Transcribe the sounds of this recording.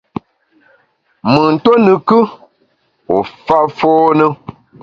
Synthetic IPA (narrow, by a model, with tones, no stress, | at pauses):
mɨ˨n̩˨to˦nɨ˨kɨ˦ | o˨fa˦foː˦nɨ˦